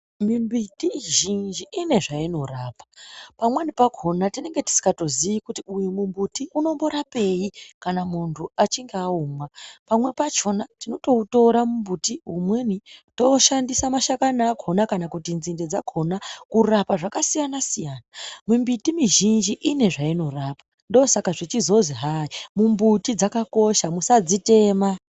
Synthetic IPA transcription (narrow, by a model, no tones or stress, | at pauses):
mimbitiʒind͡ʒiːne̞ʐaino̞raːpḁpamwanipaɡʱo̞natine̞ŋɡe̞ti̥si̥kato̞zijikutiujumumbutiʔuno̞mbo̞ɾape̞ikanamuntʰuat͡ʃiŋɡeauːmwapamwe̞pat͡ʃo̞natino̞to̞uto̞ɾamumbutiɦumwe̞nito̞ʃandisamaʃakanaːɡʱonakanakutinzinde̞d͡zaɡʱo̞nakurapaʐakasijanasijaːnamumbitimiʒind͡ʒiʔine̞ʐaino̞raːpa | ndosakaʐit͡ʃizo̞ziɦaimumbutid͡zakako̞ʃamusad͡zite̞ːma